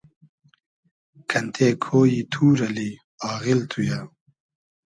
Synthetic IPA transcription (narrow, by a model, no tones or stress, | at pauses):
kʰɐnt̪ʰeːkʰoːjit̪ʰuːɾɐli | aːɣilt̪ʰuja